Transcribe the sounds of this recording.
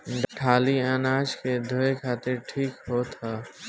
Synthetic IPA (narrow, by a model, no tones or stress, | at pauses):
ɖəʈʰaːliaːnaːd͡ʒked̪ʱoekʰaːt̪ɪɾʈʰiːkɦoːt̪ɦaː